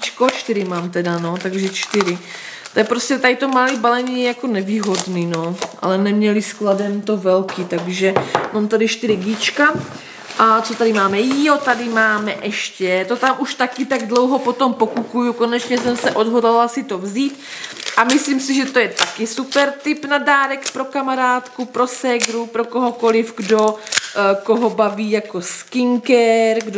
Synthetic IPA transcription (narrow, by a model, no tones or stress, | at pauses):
t͡ʃkot͡ʃt̪ɪɾɪmaːmt̪ɛdano̞t̪aɡʒɛt͡ʃt̪ɪɾɪ | t̪ojɛpɾoscɛt̪adɪt̪omalibalɛɲijako̞nɛviːɦo̞dniːno̞ʔa̰lɛnɛmɲɛlɪskladɛmt̪o̞vɛlkit̪aɡʒɛmaːmt̪adɪʃt̪ɪɾɪɡit͡ʃka | ʔat͡sot̪adɪmaːmɛjiot̪adɪmaːmɛʔɛʃcɛt̪o̞t̪amʔuʃt̪akɪt̪aɡdlo̞wɦo̞po̞t̪o̞mpokukujuko̞nɛt͡ʃɲɛsɛmsɛʔo̞dɦodlalasɪt̪o̞vziːt̪ʔamɪsliːmsɪʒɛt̪o̞jɛt̪akɪsupɛɾt̪ɪpnadaːɾɛkpɾo̞kamaɾaːt̪kupɾo̞sɛɡɾupɾokoɦoko̞lɪfɡdo | koɦobaviːjakoskɪŋkɛɾɡd